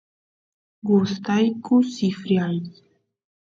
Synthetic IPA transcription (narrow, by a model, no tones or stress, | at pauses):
ɡust̪ajkusifɾʲiaj